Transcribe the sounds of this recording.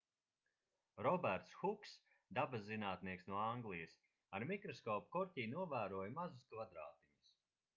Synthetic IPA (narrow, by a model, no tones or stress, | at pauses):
ɾɔbæɾt̪sxuks | d̪abasːinaːt̪niɛksnuɔaŋɡlˠijɐs | aɾmikɾɔskɔːpkɔɾtʲiːjnuɔvæːɾuɔjmazuskvad̪ɾaːt̪iɲus